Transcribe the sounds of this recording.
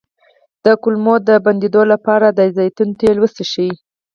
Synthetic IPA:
d̪̥əkʊlmod̪əband̪ed̪olapɑɾad̪əzajt̪unt̪elwəst̪eʃiwi

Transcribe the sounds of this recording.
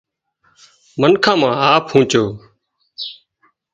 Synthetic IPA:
mənkʰãːmãːɦaːpʰhũːt͡ʃoː

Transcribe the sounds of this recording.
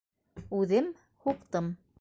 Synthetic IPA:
ʉðɘm | huqt̪ɤm

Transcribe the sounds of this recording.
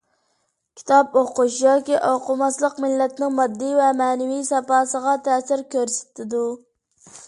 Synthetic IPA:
kʲʰi̥t̪ʰɑpoquʃjɑkʲiʔoqʊmɑslˠəqmɪlːɛt̪nɪŋmɑd̪ːɨvɛmɛːnɪvijsɛpɑːsəʁɑt̪ʰɛːsɪɾkʲøɾsɪ̥t̪ʰɪd̪u

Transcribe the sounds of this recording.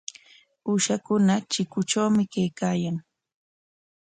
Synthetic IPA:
uʃakʊnat͡ʃɪkʊt͡ʃawmɪkajkaːjaŋ

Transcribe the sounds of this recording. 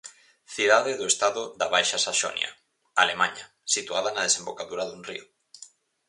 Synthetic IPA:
θiðaðeðoest̪aðʊðaβajʃasaʃo̰nj̰a̰ | alemãɲa | sit̪uaðanað̞esembokaðuɾaðunrḭʊ

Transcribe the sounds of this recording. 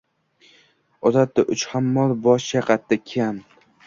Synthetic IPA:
ɒzat̪ːaʔʊt͡ʃhamːɒlˠbɒʃaqɑt̪ːakʲʰam

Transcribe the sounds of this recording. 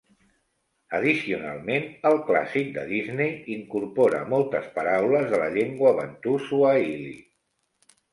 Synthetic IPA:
əð̞isiuna̰lˠmenəlˠkla̰sik̚d̪ə̰ðiznejiŋkurpɔɾə̰mɔlˠt̪əspəɾawləzðələʎeŋɡwəβə̰nt̪usuəilḭ

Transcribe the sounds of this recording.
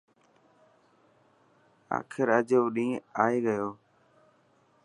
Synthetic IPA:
a̰ːkʰɪɾəd͡ʒeʋɗĩːaːiːɡəjoː

